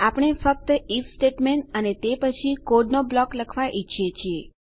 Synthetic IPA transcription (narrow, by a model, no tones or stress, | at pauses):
apɽ̃efək̚t̪əifsʈeʈmeɳʈənet̪epət͡ʃʰikoɖnoblɔkləkʰʋaʔit͡ʃʰijet͡ʃʰie